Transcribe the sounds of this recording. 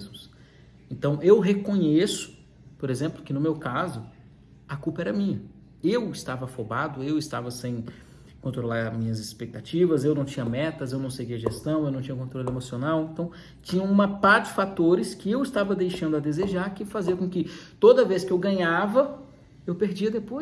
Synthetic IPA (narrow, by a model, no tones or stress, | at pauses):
zmʊs | ẽnt̪ɐ̃w̃ʔewɦekõɲesʊ̥ | poɾezẽmplʊkɪnʊmewkazʊ | ɐkupɐɛɾɐmĩɲɐ | ewɪst̪avɐfobad̪ʊewɪst̪avɐsẽj̃ | kõnt̪ɾolaɾmĩɲɐzɪspek̚t̪at͡ʃivɐzewnɐ̃w̃t͡ʃĩɲɐmɛt̪ɐzewnɐ̃w̃seɡiɐʒest̪ɐ̃w̃ewnɐ̃w̃t͡ʃĩɲɐkõnt̪ɾolemosionawẽnt̪ɐ̃w̃ | t͡ʃĩɲɐ̃w̃ũmɐpaɾd͡ʒɪfat̪oɾɪskɪewɪst̪avɐd̪ejʃɐ̃nd̪ʊɐd̪ezeʒaɾkɪfaziɐkõkɪt̪od̪ɐveskɪewɡɐ̃ɲavɐ | ewpeɾd͡ʒiɐd̪epoj